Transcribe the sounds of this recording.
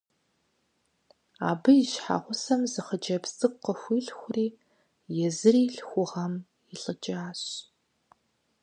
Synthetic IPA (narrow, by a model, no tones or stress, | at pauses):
a̰ːbɨjɪɕħa̰ʁʷʊsɐmzɨχəd͡ʒɐpstʰʼɨkqəxʷiːɬxʷʊriː | jɛzɨriːɬxʷʊʁɐm | iɬʼɨd͡ʒʼaːɕ